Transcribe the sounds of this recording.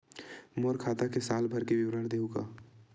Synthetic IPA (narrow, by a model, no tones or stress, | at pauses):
moːɾkʰaːt̪akesaːlbʱɐɾkeʋɪwɾəɽd̪eːukaː